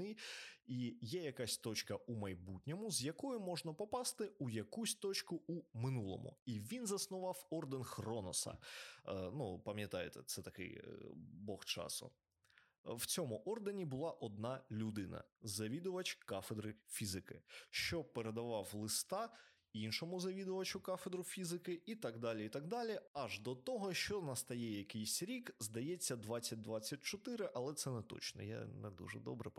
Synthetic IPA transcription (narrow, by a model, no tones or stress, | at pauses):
ɪijɛjɐkasʲt̪ɔt͡ʃkɐʔumɐjbutʲnʲɔmʊzjɐkɔjʊmɔʒnɐpɔpɑst̪ɪujɐkusʲt̪ɔt͡ʃkʊumɪnulˠɔ̰mʊ̰iʋʲinzɐsnʊʋɑwɔrd̪enxrɔnɔsɐ̰ | nupɐmʲjɐt̪ɑjet̪ɛt̪sɛt̪ɐkɪ̰j̰bɔxt͡ʃɑ̰sʊ̰ | wt͡sʲɔmʊʔɔrd̪enʲibʊlˠɑʔɔd̪̚nɑlʲʊd̪ɪnɐ̰zɐʋʲid̪ʊʋɐt͡ʃkɑfed̪ɾɪfʲizɪkɪ̰ʃt͡ʃɔpeɾed̪ɐʋɑwlˠɪst̪ɑ | inʃɔmʊzɐʋʲid̪ʊʋɐt͡ʃʊkɑfed̪ɾʊfʲizɪkɪit̪ɑɡd̪ɑlʲiit̪ɑɡ̚d̪ɑlʲiɐʒd̪ɔt̪ɔɦɔʃt͡ʃɔnɐst̪ɐjɛjɐkɪjsʲɾʲikzd̪ɐjɛt͡sʲːɐd̪ʋɑt͡sʲːɐt̚ʲd̪ʋɑt͡sʲːɐt̚ʲt͡ʃɔt̪ɪɾɪʔɐlˠɛt̪sɛnɛt̪ɔ̰t͡ʃnɔ̰ja̰nɛd̪ṵʒɛ̰d̪ɔ̰bɾɛp